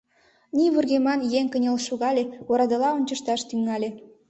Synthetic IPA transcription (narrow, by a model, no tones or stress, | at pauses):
nʲiβurɣemɑnjeŋʲkənʲelʃuɣɑlʲeoɾɑd̪ə̆lɑonʲt͡ɕə̆ʃt̪ɑʃt̪yŋɑlʲe